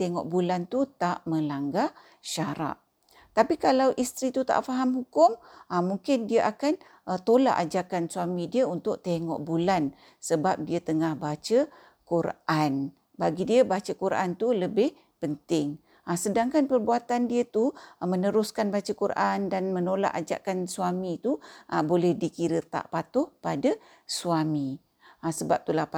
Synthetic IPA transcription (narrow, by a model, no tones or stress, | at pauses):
t̪eŋɔ̰ʔbulant̪ut̪aʔmə̃laŋɡa | ʃaɾa̰ʔ | t̪apikalawʔist̪ɾit̪ut̪a̰ʔfaɦamhukʊmamuŋkɪndiəʔakan | ət̪ola̰ʔad͡ʒakansuamĩdiəunt̪ʊk̚t̪eŋɔ̰ʔbulan | səbap̚diət̪əŋahbat͡ʃə | kuɾʔan | baɡidiəbat͡ʃəkuɾʔa̰nt̪uləbɪh | pənt̪ɪŋ | asədaŋkanpərbuat̪andiət̪umənəɾʊskanbat͡ʃəkuɾʔandanmənola̰ʔad͡ʒa̰kansuamit̪uʔəbolɛhdikiɾət̪a̰ʔpat̪ʊhpada | suami | asəbap̚t̪ulahp